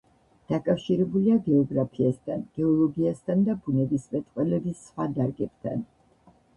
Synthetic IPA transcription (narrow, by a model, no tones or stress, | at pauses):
d̪̥akʼafʃiɾɛbuliaɡɛɔɡɾapʰiast̪ʰanɡ̥ɛɔlˠɔɡiast̪ʰand̪abunɛbismɛt̪ʼqʼwɛlɛbisːχwad̪aɾɡɛb̥t̪ʰa̰n